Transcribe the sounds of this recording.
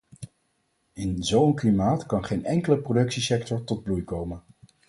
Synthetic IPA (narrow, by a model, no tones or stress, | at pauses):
ɪnzowənklimaːtkɑnχejnɛŋkələprodɵksisɛk̚tɔɹtɔd̚blujkowmən